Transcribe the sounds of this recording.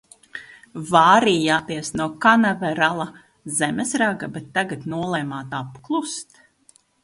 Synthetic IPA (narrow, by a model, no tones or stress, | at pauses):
vaːɾiːjaːt̪iɛsnuɔkanavɛɾalˠa | zɛmɛsɾaɡabɛt̪ːaɡat̪nuɔlˠɛːmaːt̪apklˠust̪